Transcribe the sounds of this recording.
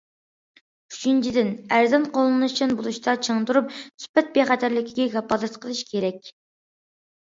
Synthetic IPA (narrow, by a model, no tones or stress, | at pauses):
yt͡ʃʰint͡ʃʰid̪ɪnæɾzɛnqolˠɨnɨt͡ʃʰinbulˠuʃt̪ʰɑt͡ʃʰəŋt̪uɾup̚syspɛt̪̚beχæt̪ʰæɾlɪkʲʰiɡʲɛɡʲɑpɑlˠɛt̪qʰəlˠɨʃkʲʰeɾɛkʲ